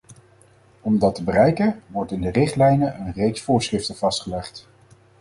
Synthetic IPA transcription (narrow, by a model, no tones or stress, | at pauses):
ɔmdɑtəbərɛjkəʋɔɹtɪndərɪχtlɛjnəʔənrejksfʊːɹsχrɪftəv̥ɑstχəlɛχt